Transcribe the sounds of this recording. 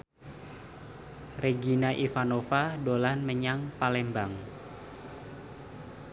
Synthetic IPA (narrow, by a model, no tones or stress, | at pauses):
reɡinaʔifanofadolanməɲaŋpalɛmbaŋ